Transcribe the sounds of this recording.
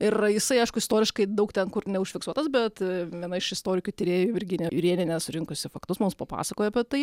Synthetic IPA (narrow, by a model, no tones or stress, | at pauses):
ɪɾjɪsɐɪɐɪʃkʊɪst̪oːɾʲɪʃkɐɪd̪ɐʊkt̪ʲɛnkʊrnʲɛʊʃʲfʲɪksuɔt̪ɐsbʲɛt̪ʋʲiɛnɐɪʃɪst̪oːɾʲɪkʲuːt̪ʲɪɾʲeːjʊɪɾʲɡʲɪnʲɛjʊɾʲiɛnʲɛnʲɛsʊɾʲɪŋkʊsʲɪfɐkt̪ʊsmʊmspɐpɑ̰ːsɐkoːjɛɐpʲɛt̪ɐɪ